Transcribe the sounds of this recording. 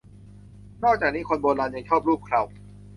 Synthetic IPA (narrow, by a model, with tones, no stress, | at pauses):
nɔː˥˩k̚t͡ɕaː˨˩k̚niː˦˥kʰo˧nboː˧nlaː˧nja˧ŋt͡ɕʰɔː˥˩p̚ɾuː˥˩p̚kʰɾaː˧˩w